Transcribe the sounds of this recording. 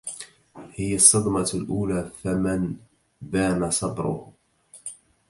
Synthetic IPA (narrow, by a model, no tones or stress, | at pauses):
hɪjasˤːɑd̪mɑlʔuːlaːfaman | b̪aːmasˤɑb̪ɾʊ̰h